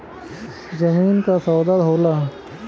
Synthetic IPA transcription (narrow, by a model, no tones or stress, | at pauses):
zɐmiːnkasaːd̪ad̪ɦoːlaː